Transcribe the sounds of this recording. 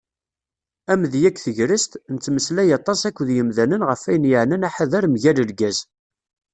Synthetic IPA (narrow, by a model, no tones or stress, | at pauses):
æmðjækʷːθəʝɾəst̪nət͡sːməslæjɑt̪ˤːɑsækʷːðjəmðænənʁəfæjənjəʕnənaħaðæɾmʝæləlɡæz